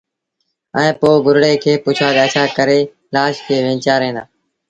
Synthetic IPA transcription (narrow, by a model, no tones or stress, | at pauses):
ɛ̃ːpoːɡʱʊɾɽeːkʰeːpʊt͡ʃʰaːɡaːt͡ʃʰaːkəɾeː | laːʃkʰeːʋẽːt͡ʃaːɾɦẽːd̪a̰ː